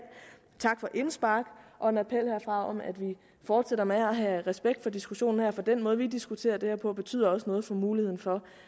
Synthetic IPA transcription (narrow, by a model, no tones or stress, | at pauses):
t͡sʰɑ̈ɡ̥fɒ̽ʔe̝nsb̥ɑ̈ɡ̥ʔɒ̽e̝næpʰel̰hæɐ̰fʁɑ̈ɒ̽mæd̥ʋi | fɒːd̥seɾ̥ɐmeæɦæʁɛsb̥eɡ̥d̥fɒ̽d̥isɡ̥uɕo̝̰ːn̩heɐfɒ̽d̥enmɔ̽ːð̞̩ˠʋid̥isɡ̥ut͡sʰe̝̰ːɐd̥e̝heɐpʰɒ̽b̥e̝t͡sʰy̰ːð̰ˠɐɒ̽sənɔ̽ːð̞̩ˠfɒ̽muːlihḛn̩fɒ̽